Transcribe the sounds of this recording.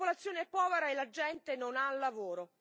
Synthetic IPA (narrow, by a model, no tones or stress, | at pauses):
olat̪sːjoːneɛpːɔːveɾaelːad͡ʒɛnt̪enonalːavoːɾo